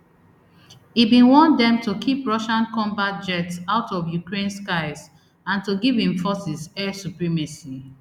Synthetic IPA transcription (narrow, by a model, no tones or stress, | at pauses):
ibĩnwɔ̃ndɛ̃mtukʰipɹɔʃãnkɔ̃mbat̚d͡ʒɛtsaʊtʰɔvjukɹẽnskaɪz | ãntuɡivĩɱfɔsisɛsupɹimasi